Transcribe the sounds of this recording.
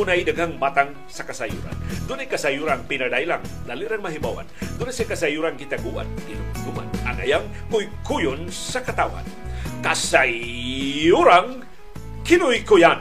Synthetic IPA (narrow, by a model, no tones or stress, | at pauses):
unajdaɡaŋmat̪aŋ | sakasajṵɾa̰nd̪ʊnajkasajuɾaŋpinadajlaŋd̪aliɾaŋmaɦibawa̰nd̪ʊnasakasajuɾaŋkit̪aɡuwa̰nkinʊɡuma̰na̰ŋa̰jaŋ | kʊjkujʊnsakat̪awa̰n | kasa | uɾaŋ | kɪnʊjkujan